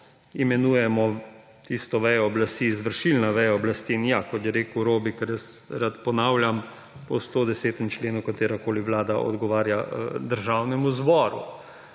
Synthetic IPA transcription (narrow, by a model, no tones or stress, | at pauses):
imɛnuːjɛmɔ | t̪iːst̪ɔʋɛjɔːblast̪iːzʋəɾʃilnaʋɛjɔɔblast̪iːnjakɔt̪jɛɾeːkwɾoːbikɛɾjɛs | ɾat̪pɔnaːwljam | pɔst̪oːd̪ɛseːt̪ɛmt͡ʃleːnukat̪eːɾakoːliʋlaːd̪aʔɔ̰d̪ɡɔʋaːɾja̰d̪əɾʒawnɛmuzbɔːɾṵ